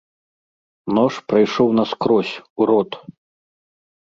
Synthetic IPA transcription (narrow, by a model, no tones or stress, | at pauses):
nɔʂpɾajʂɔwnɐskɾɔsʲuɾɔt̪